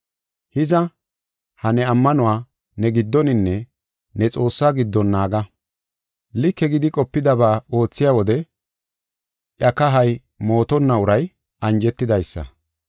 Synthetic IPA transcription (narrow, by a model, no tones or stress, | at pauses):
hɪzɐ | hɐnɛɐmːɐnʊwaː | nɛɡɪd̪ːɔnɪnːɛ | nɛt͡sʼo̞ːsːaːɡɪd̪ːɔnːaːɡɐ | lɪkːɛɡɪd̪ɪkʼɔpːɪd̪ɐbaːo̞ːt͡sːɪjaːwɔd̪ɛ | ʔjɐkɐɦɐj | mo̞ːt̪ɔnːɐʊɾɐj | ɐnd͡ʒɛt̪ːɪd̪ɐjsːɐ̰